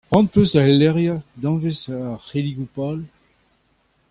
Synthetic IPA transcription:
ʁɑ̃n̚pøsaɛlːɛʁjad̪ɑ̃vesaaχeliɡupal

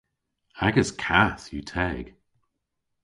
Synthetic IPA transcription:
aɡəzkʰaθjutʰɛːɡ̥

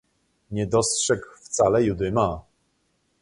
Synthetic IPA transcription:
ɲɛd̪ɔstʂɛkft̪salɛjud̪ɘma

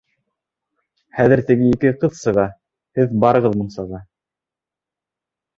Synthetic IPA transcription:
χæðɘ̆ɾt̪ɘ̆ɡɘikɘqɤðsɤ̆ʁɑ | hɘðbɑɾɤ̆ʁɤðmɤ̆nsɑʁɑ

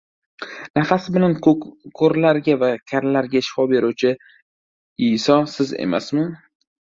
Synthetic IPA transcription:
nafasɪbɪlankʰoɾlaɾɡʲavakʲʰaɾlaɾɡʲaɪʃfɒbe̞ɾuwt͡ʃʰɪ | isɒsɪzḛma̰smɪn

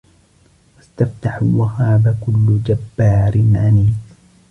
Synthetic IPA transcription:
wast̪aft̪aħʊlwahaːbakʊlːʊd͡ʒabːaːɾɪnʕaniː

